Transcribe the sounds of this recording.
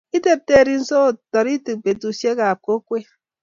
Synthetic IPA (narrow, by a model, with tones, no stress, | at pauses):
i˦te˨p̚te˦˨ɾi˨n̩˦so˦o˨tɔ˨ɾi˦ti˨k̚pe˨tu˨sje˦ka˨p̚ko˦kʷe˦